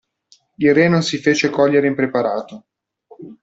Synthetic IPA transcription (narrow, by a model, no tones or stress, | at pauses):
ilrenonsifeːt͡ʃekɔʎːeɾeimpɾepaɾaːt̪o